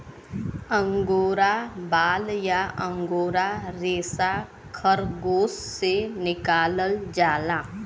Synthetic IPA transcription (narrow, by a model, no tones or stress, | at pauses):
ə̃ŋɡoːɾabaːljaʔə̃ŋɡoːɾaɾeːsa | kʰəɾɡoːssenɪkaːləld͡ʒaːlaː